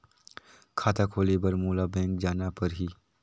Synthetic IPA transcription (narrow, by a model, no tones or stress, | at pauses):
kʰaːt̪akʰoːlebɐɾmuːlabɛ̃ːŋk̚d͡ʒaːnapɐɾɦiː